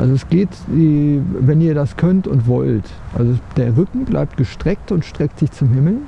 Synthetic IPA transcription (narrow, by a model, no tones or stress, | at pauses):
ʔa̰lzoɛsɡ̥eːtdiːvɛniːɐdaskʰœntʊ̰ntv̥ɔlt | ʔa̰lzod̥eːɐʁʏkŋ̩bla̰ɪp̚t̚ɡ̥əʃtʁ̥ɛk̚tʊntʃtʁ̥ɛk̚tz̥ɪçt͡sʊmhɪml̩